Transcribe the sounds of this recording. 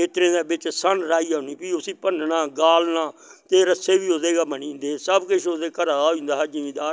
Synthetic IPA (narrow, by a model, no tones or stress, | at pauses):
eːt̪ɾẽːd̪eːbɪt͡ʃsənɾaːiːaːniːpiːʊsĩːpənnaːɡaːlnaːt̪eːɾəseːʋiːod̪eːɡaːmənĩːnd̪eːsəbkʊʃod̪eːkəɾaːaːĩːnd̪aːɦəd͡ʒɪĩːd̪aːɾ